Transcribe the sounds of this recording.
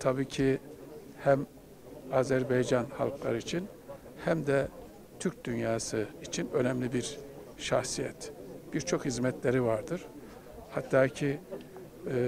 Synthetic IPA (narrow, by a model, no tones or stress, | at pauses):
t̪ʰabiːcʰi | hæm | aːzæɾbejd͡ʒanha̰lˠklˠa̰ɾɯit͡ʃʰin | hæmd̪ɛ | t̪ʰyɾc̚d̪ynjaːsɯit͡ʃʰinø̞nɛmlʲibiɾ | ʃaxsijɛt̪b̥iɾt͡ʃʰo̞khizmɛt̪lʲeɾivaɾd̪ɯɾ̥ | hat̪ːaːcʰi